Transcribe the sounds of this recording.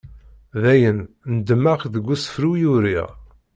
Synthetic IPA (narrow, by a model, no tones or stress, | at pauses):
ðæjən | nəd̪əmaqðəɡʷːusə̥fɾujuɾiʁ